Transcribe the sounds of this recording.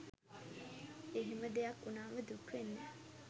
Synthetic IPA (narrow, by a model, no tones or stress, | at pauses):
eɦiməd̪ejɐkːunaːməd̪ukʋenːe